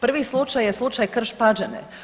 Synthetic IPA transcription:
pr̩ʋislˠut͡ʃajːeslˠut͡ʃajkr̩ʃpad͡ʒenḛ

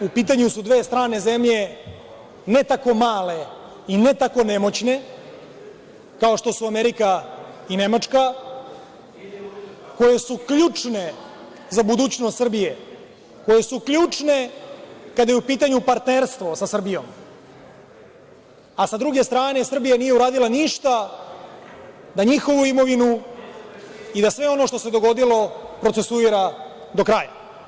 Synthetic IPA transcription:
upiːt̪aɲusud̪ʋe̞ːst̪ɾaːne̞ze̞mʎe̞ | ne̞t̪ako̞maːle̞ | ine̞t̪ako̞nemo̞t͡ɕne̞ | kao̞ʂt̪o̞suameɾika | ine̞mat͡ʂka | ko̞je̞sukʎuːt͡ʂne̞ | zabud̪uːt͡ɕnost̪sr̩bije | ko̞je̞sukʎuːt͡ʂne̞ | kad̪ajeupiːt̪aɲupaɾt̪neɾst̪ʋo̞sasr̩bijo̞̰m | asad̪ɾuɡe̞st̪ɾaːne̞sr̩bijanije̞uɾaːd̪ilˠaniʃt̪a | d̪aɲixo̞ʋuimo̞ʋinu | id̪asʋe̞o̞no̞ʂt̪o̞se̞d̪o̞ɡo̞d̪ilo̞pɾo̞t̪se̞suiɾa | d̪o̞kɾaːja̰

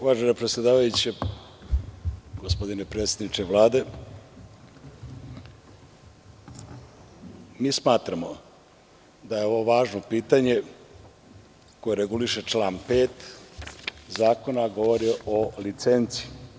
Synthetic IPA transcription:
ʋaːʒenepɾet̪sʲjed̪aːʋajut͡ɕe | ɡospo̞d̪ine̞pɾe̞ːt̪sjed̪nit͡ʃe̞ʋlˠaːd̪e̞ | miːsmaːt̪ɾamo̞ | d̪ajeo̞ʋoʋaːʒno̞piːt̪aɲe̞ | ko̞je̞ɾe̞ɡuliʃe̞t͡ʃlaːnpeːt̪ | zaːko̞naɡo̞ʋo̞ɾiʔo̞lit̪se̞nt̪si

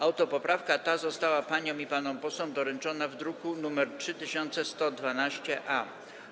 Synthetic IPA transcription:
awt̪ɔpɔpɾafkat̪azɔst̪awapaɲɔ̃mipanɔmpɔsɔmd̪ɔɾɛnt͡ʂɔnavd̪ɾukunumɛɾtʂɘt̪ɘɕɔnt̪sɛst̪ɔd̪vanaɕt͡ɕɛʔa

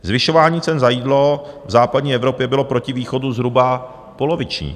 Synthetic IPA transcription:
zvɪʃo̞vaːɲiːt͡sɛnzajiːdlo̞vzaːpadɲiːʔɛvɾo̞pjɛbɪlo̞pɾo̞cɪviːxo̞duzɦɾuba | po̞lo̞vɪt͡ʃɲḭː

